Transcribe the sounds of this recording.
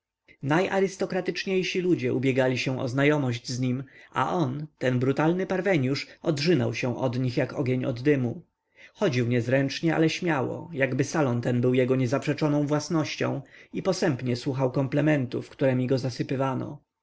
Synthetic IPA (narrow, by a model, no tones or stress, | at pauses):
najʔa̰ɾɘst̪ɔkɾat̪ɘt͡ʂɲejɕilud͡ʑɛʔubʲjɛɡalʲiɕɛw̃ʔɔ̰znajɔmɔʑd͡ʑzɲimʔa̰ʔɔnt̪ɛnbɾut̪alnɘpaɾvɛɲjuʂɔdʐɘna̰wɕɛw̃ʔɔd̪ɲixjakɔɡʲjeɲɔ̰d̪ːɘmu | xɔd͡ʑiwɲɛzɾɛnt͡ʂɲɛʔa̰lɛɕmʲjawɔ̰jaɡbɘsalɔnt̪ɛnbɘwjɛɡɔɲɛzapʂɛt͡ʂɔnɔ̃w̃vwasnɔɕt͡ɕɔ̰̃w̃ipɔsɛmpɲɛswuxawkɔmplɛmɛnt̪ufkt̪uɾɛmʲiɡɔzasɘpɘvanɔ̰